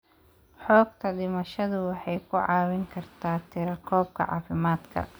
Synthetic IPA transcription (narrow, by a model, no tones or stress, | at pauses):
ħɔːɡ̚t̪ʰɐdɪmɐʃɐðʊwɑħɑjkʰʊʕɑːwɪŋkʰɐrt̪ʰaːt̪ʰɪɾɐkʰɔːb̚kʰɐ̰ʕɑ̰ːfɪmaːd̪kʰɐ̰